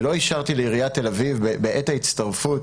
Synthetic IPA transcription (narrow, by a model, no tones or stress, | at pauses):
lo̞iʃaʁt̪ileiʁijate̞lavivbebeʔetait͡st̪aʁfut